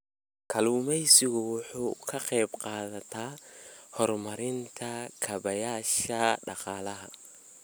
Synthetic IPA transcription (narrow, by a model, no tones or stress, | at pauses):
kʰɐluːmɛjsɪɣʊwʊħuːkʰɐqɛjbqɑːðɐt̪ʰaːhɔrmɐɾɪnt̪ʰɐkʰɐβɐjaːʃɐɖɑqɑːlɐɦɐ